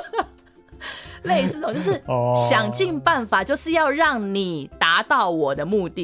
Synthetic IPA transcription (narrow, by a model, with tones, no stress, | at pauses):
le˥˧ɪsɹ̩˥˩o˨˦t͡ɕo˥˧ʊʂɻ̩˥˩ɕjɑ˨˩ŋt͡ɕi˥˧ŋpa˥˩nfa˨˩t͡ɕjo˥˧ʊʂɻ̩˥˧jɑ˥˧ʊɻɑ˥˩ŋni˨˩t̪a˧˦t̪ɑ˥˩ʊwɔ˨˩d̪ə˦mu˥˧t̪i˥˨